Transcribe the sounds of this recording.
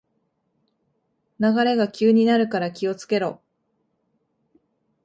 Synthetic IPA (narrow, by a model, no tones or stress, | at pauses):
naɡaɾe̞ɡakʲɨːɲ̟inaɾɯ̟kaɾakʲio̞t͡sɨ̥ke̞ɾo̞